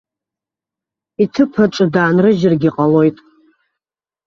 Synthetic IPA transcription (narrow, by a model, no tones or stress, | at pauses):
itʰɨpʰaʈ͡ʂʼɨdaːnrɨʒɪrɡʲiqʼalo̞jtʼ